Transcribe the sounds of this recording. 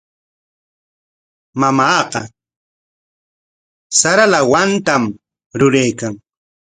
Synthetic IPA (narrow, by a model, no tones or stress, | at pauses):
mamaːqɑ | saɾalawant̪am | ɾʊɾajkaŋ